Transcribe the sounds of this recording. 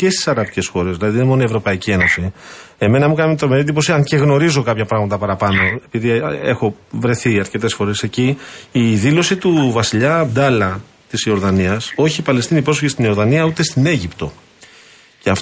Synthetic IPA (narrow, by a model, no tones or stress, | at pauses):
ce̞st̪i̥sɐɾɐp̪ice̞sxo̞ɾezðilɐðiðenemo̞nievɾo̞pɐicie̞no̞sie̞me̞nɐmukɐnɐmet̪ɾomeɾit̪ðipo̞siɐŋce̞ɣno̞ɾizo̞kɐpçɐpɾɐɣmɐt̪ɐpɐɾɐpɐno̞e̞piðie̞xo̞vɾe̞θiɐɾce̞t̪e̞sfo̞ɾe̞se̞ciː | ðilo̞sit̪uvɐsiʎɐːbd̪ɐlɐ | t̪isio̞ɾðɐniɐso̞çipɐle̞st̪inipɾofiʝist̪inioɾðɐniɐut̪e̞st̪ine̞ʝipt̪o̞ | ceɐf